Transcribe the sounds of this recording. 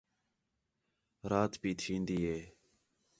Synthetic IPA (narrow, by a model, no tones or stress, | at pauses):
ɾaːt̪piːt̪ʰĩːnd̪iːɦeː